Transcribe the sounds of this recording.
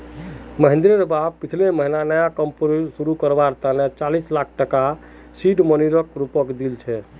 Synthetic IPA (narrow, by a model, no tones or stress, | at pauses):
məɦẽnd̪ɾeɾbab̚pit͡ʃʰleməɦinanəjakəmpoɾsuɾukəɾbaɾt̪anet͡ʃalislakʰʈəka | siɖməniɾəkɾupəkd̪ilt͡ʃʰɛ